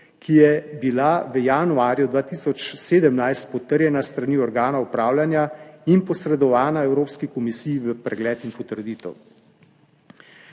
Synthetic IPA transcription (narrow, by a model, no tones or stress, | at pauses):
kʰijɛbilaʋəjaːnuaːɾjud̪ʋaːt̪iːsɔt͡ʃseːd̪əmnajst̪̚pɔt̪əɾjɛnast̪ɾaniːɔɾɡaːnaupɾaːwlʲanjainpɔsɾɛd̪ɔʋaːnaɛwɾoːpskikɔmisiːjiʋəpɾɛɡlɛːt̪inpɔt̪əɾd̪iːt̪ɛw